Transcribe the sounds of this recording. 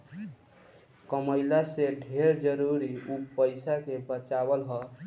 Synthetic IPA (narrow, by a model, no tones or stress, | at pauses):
kəməjlaseɖʱeɾd͡ʒəɾuɾiupəɪsakebət͡ʃabəlɦɔ